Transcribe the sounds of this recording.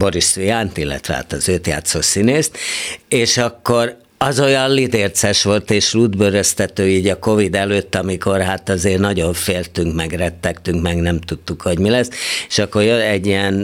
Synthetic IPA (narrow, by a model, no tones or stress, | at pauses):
bo̞ɾisijant̪ilːɛ̰t̪ʋɛ̰ha̰ːt̪ɒzøːt̪ja̰ːt̪soːsineːst̪eːʃɒkːo̞r | ɒzo̞jɒnlid̪eːrt̪sɛʃʋo̞lt̪eːʃlud̪bøɾøst̪ɛt̪øːiːɟɒko̞vid̪ɛløːt̪ːɒmiko̞rɦaːt̪ɒzeːrnɒɟo̞ɱfeːlt̪yŋkmɛɡrɛt̪ːɛkt̪yŋkmɛɡnɛmt̪ut̪ːukho̞ɟmilɛseʃɒkːo̞rjølɛɟːiɛn